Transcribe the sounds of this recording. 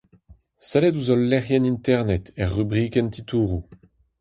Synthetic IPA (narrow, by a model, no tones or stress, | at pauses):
sɛlɛduzɔlːɛʁjɛnint̪ɛʁnɛt̪ɛʁːybʁiːkɛnt̪it̪uːʁu